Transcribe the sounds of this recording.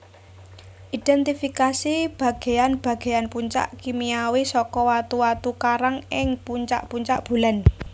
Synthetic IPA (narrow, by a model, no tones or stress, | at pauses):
ʔid̪̥ɛnt̪ifikasib̥ä̤ɡ̥e̤janb̥ä̤ɡ̥e̤janpuɲt͡ʃa̰ʔkimiawisɔkɔwat̪uwat̪ukaɾaŋɪŋpuɲt͡ʃa̰ʔpuɲt͡ʃa̰ʔb̥ṳlan